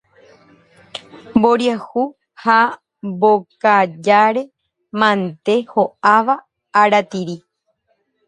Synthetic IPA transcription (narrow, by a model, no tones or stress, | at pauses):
mboɾjahu | ha | bokad͡ʒaɾe̞ | mãnt̪e̞hoaʋaː | ɾat̪iɾi